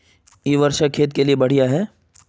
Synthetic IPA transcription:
iːʋɐɾʃakʰːeːt̪keliebɐɽ̤ijaɦɛː

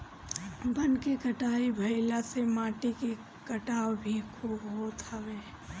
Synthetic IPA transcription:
bɐnkekɐʈaːibʱɐɪlasemaːʈiki | kɐʈaːwbʱikʰuːbɦot̪aʋeː

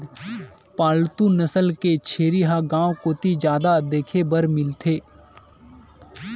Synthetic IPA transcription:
paːlt̪unəsəlket͡ʃʰeːɾiɦaɡãːokoːt̪id͡ʒjaːd̪ad̪eːkʰebɐɾmɪlt̪ʰeː

